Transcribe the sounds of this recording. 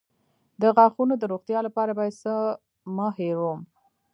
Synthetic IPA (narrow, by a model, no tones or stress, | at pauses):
d̪əɣɑxunod̪əɾoɣt̪jɑlapɑɾabɑjasə | məheɾum